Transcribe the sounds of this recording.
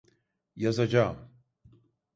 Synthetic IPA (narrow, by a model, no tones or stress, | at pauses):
jazad͡ʒam